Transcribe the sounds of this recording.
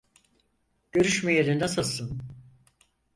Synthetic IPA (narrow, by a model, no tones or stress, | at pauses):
ɟ̥ø̞ɾyʃmɛjeɾind̪ɛsasɯn